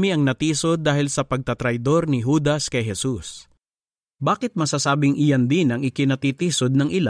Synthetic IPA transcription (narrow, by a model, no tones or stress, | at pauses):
miʔɐŋnɐt̪iːso̞d̪ːaːhɪlsɐpɐɡ̚t̪ɐt̪ɾɐjd̪o̞ɾnɪɦuːd̪ɐskɐjɦɛsus | baːkɪt̪̚mɐsasaːbɪŋʔɪjand̪ɪnɐŋɪkɪnɐt̪iːt̪iːsod̪̚nɐŋʔɪla